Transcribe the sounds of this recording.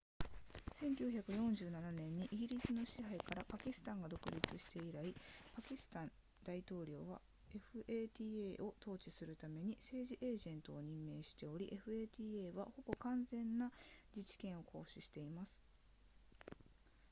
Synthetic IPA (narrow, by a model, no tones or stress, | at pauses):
sẽ̞ŋkʲɨːçakɯ̟jõ̞ɲ̟d͡ʑɨːnananẽ̞ɲ̟ːiʔiɡʲiɾʲisɨno̞ɕiɦaikaɾapakʲisɨ̥t̪ãŋɡad̪o̞kɯ̟ɾʲit͡sɨɕi̥t̪e̞iɾaipakʲisɨ̥t̪ãn | d̪̥ait̪o̞ːɾʲo̞ːβa̰ | e̞ɸɯ̟ʔeːt̪ʲiːeʔo̞t̪o̞ːt͡ɕisɨɾɯ̟t̪ame̞ɲ̟ise̞ːʑiʔe̞ːʑẽ̞nt̪o̞ːɲ̟ĩmːe̞ːɕi̥t̪e̞o̞ɾʲiʔeɸɯ̟eːt̪ʲiːeːβaho̞bo̞kãnzẽ̞nːad͡ʑit͡ɕi̥kẽ̞ɰ̃o̞kʰo̞ːɕiɕi̥t̪e̞imasɨ̥